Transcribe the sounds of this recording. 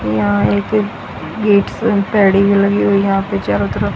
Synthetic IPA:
jãːek | ɡeːʈspɛːɽiːbiːləɡiːɦoiːjəɦãːpet͡ʃaːɾʊt̪ɾa

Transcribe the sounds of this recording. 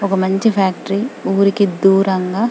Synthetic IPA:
ɔkɐmɐɲt͡ʃipʰaːk̚ʈɐɾiuːɾikid̪uːɾɐŋɡaː

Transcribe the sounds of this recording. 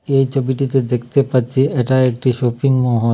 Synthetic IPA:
ejt͡ɕʰobiʈit̪ed̪ekʰt̪epat̚ːt͡ɕʰieʈaek̚ʈiʃopiŋmɔɦo

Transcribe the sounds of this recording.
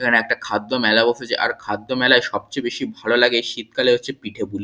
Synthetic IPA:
ekʰaneɛk̚ʈakʰad̪ːomɛlaboʃet͡ɕeʔa̰ɾkʰad̪ːomɛlaeʃɔb̚t͡ɕebeʃibʱalolaɡeʃit̪̚kaleɦotːɕʰepiʈʰebul

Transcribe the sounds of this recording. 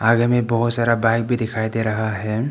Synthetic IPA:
aɡemẽbɔɦut̪saɾabajk̚bʱid̪ikʰajd̪eɾɐɦaɦɛ

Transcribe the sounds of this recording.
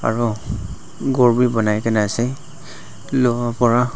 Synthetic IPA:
a̰ɹu | ɡɔɹbibɔnajkanɛasɛ | lɔwapɔɹa

